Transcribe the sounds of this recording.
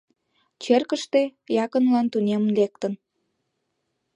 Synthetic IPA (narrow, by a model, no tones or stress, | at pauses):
t͡ɕerkəʃt̪ejɑkənlɑnt̪unʲemlek̚t̪ən